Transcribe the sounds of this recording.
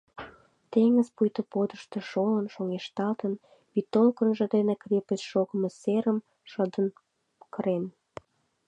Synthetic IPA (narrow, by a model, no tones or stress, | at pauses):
t̪eŋəzpujt̪əpod̪əʃt̪ĕʃolənʃoŋeʃt̪ɑlt̪ən | bit̪olkənʒə̆d̪enekrepət͡ɕʃoɣəməseɾəm | ʃə̆d̪ən | kəɾen